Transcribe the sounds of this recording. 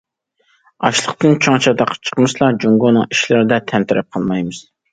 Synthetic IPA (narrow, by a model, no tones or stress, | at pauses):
ɑʃlˠəqt̪ɨnt͡ʃʰoŋt͡ʃʰɑd̪ɑqʰə̥t͡ʃʰə̥qmɨslˠɑd͡ʒuŋɡonɨŋiʃlæɾɪd̪ɛt̪ʰɛnt̪ʰɪɾɛp̚qʰɑlˠmɑjmɨz̥